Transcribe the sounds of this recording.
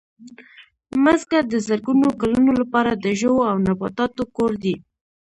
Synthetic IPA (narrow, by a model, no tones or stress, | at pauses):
məzkad̪əzəɾɡunokalunolapɑɾad̪əʒəwoawnabɑt̪ɑt̪okoɾd̪i